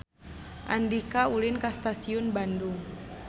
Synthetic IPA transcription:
ʔa̰ndikaulɪnkast̪asiʊnbanduŋ

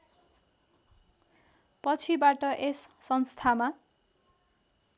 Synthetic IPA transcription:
pʌt͡sʰibaʈʌʔesːʌnst̪ʰama

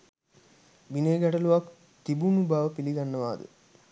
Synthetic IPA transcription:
ʋineːɡɐʈɐluʋak | t̪ibunubʱaːʋɐpiliɡɐnːɐʋaːd̪ṵ

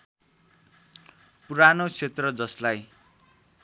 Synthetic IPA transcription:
puɾanot͡sʰet̪rʌd͡zʌslaj

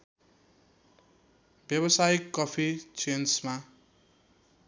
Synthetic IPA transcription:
b̥jʌβʌsaikːʌpʰit͡sensma

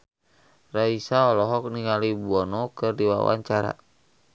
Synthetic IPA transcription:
raisaɔlɔɦɔk̚niŋalibuɔnɔkɨrdiwa̰wa̰ɲt͡ʃaɾa̰

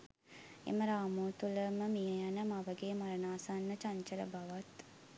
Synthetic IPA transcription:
ḛməɾaːmoːt̪uləməmijəjanəmaʋəɡeːmaɾənaːsanːət͡ʃaɲt͡ʃələ̰baʋat̪

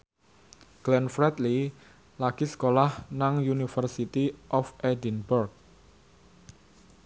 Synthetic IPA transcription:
ɡ̥lɛnfɾɛt̪li | laɡ̥isə̥kolahnaŋjunifərsit̪iʔɔfɛdinburk̚

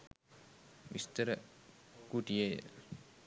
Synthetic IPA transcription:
ʋist̪əɾəkuʈijejə̰

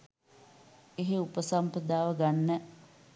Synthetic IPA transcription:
eɦeupəsampəd̪aːʋəɡanːə

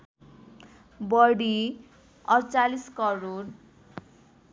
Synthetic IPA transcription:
bʌɽi | ʌrt͡saliskʌɾor

